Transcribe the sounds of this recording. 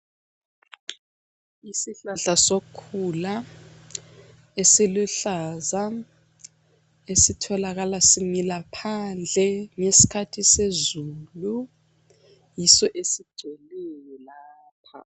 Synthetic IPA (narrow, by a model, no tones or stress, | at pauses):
isiɬaɬasokʰula | esiluɬaza | esitʰɔlaɣ̬alasimilapʰand͡ɮʱɛŋesi̥kʰatʰisezulu | jisɔʔesi̥d̥ʱelɛjɔlaːpʰa̰